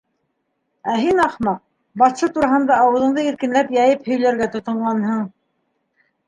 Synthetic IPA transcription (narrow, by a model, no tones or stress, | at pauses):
æɦinɑχmɑq̚ | bɑθsɤt̪uɾɑɦɤ̆nd̪ɑːwɤ̆ðɤ̆ɴd̪ɤiɾkɘ̆nlæpjɑjɘphɵ̆jlæɾɡæt̪ŏt̪ɤ̆ɴʁɑnhɤɴ